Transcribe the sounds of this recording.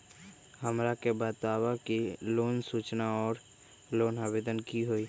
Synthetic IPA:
həmɾakebaːt̪aːwakiloːnsuːt͡ʃnaɔːɾ | loːnaːbeːd̪ənkiɦoiː

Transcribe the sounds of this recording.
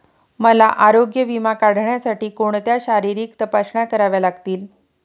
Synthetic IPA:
məlaʔaɾoɡjəʋimakaɽ̤ɳjasaʈiːkoɳ̃t̪jaɕaɾiɾiːkt̪əpasɳakəɾaʋjalaɡt̪iːl

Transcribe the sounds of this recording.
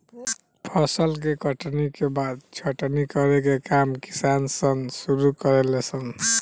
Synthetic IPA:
pʰʌsəlk̬ekʌʈʰnikebad̪̚t͡ʃʰʌʈnikʌɾekekamki̥sansʌnsuɾukʌɾelesʰʌn

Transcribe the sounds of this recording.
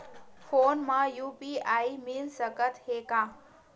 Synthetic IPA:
pʰonmajupiajmilsəkət̪heka

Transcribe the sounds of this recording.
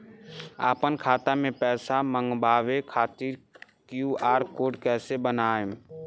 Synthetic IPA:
a̰ːpənkʰaːt̪amẽpɛːsamə̃ŋɡbaːʋekʰaːt̪iɾ | kjuːaːɾkoːɖkɛːsebənaːẽ

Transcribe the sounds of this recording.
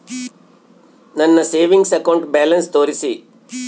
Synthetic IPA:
nɐnːɐseːʋiŋɡsɐkɐwɳʈbaːlɐnst̪oːɾisi

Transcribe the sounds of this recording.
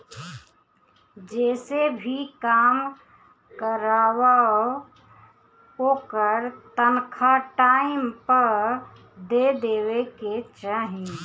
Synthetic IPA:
d͡ʒɛsebʱikam | kəɾawao | okəɾt̪ənkʰaʈaimpəɾ | d̪ed̪eweket͡ʃaɦi

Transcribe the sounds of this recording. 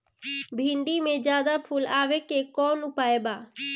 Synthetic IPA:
bʱiɳɖimẽd͡ʒaːd̪apʰulaːʋekekɔːnʊpaːebaː

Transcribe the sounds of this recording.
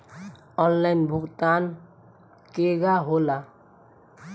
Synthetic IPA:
ɔnlaɪnbʱʊɡt̪aːn | keɡaɦola

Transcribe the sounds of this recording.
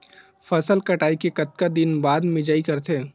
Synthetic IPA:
fɐsəlkɐʈaːikekɐt̪̚kad̪ɪnbaːd̪mɪd͡ʒaːikɐɾt̪ʰeː

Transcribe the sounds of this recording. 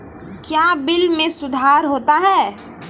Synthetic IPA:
kjaːbɪlmẽsʊd̪ʱaːɾɦoːt̪aɦɛː

